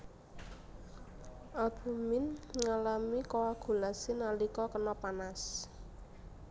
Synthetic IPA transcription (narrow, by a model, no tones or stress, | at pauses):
ʔab̥ṳmɪnŋalamikoaɡ̥ulasɪnalikɔkənɔpanas